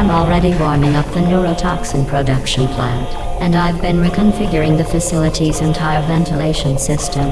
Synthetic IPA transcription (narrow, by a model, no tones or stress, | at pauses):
ml̩ˠɹɛɾiwɔɹmɪ̃ŋʌp̚ðɨnʊɹoʊtʰɑksɨ̃npʰɹ̥ədʌkʃɨ̃npʰl̥æ̃nt | ɨ̃naɪvbɨ̃nɹikʰɨ̃ɱfɪɡjə˞ɪ̃ŋðɨfɨsɪlˠəɾizɨ̃ntʰaɪə˞vɛ̃ntʰəleɪʃɨ̃nsɪstə̃m